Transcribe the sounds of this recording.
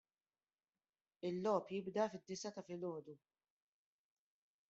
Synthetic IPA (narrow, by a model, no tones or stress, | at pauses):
ɪlːɔːpjɪbd̪ɐfɪd̪ːɪsɐt̪ɐfɪlɔːd̪u